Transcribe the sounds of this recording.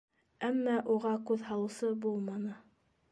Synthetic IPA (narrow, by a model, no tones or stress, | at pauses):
æmːɑʔuʁɑkʉðhɑlˠɤ̆wsɤbulˠmɑnɤ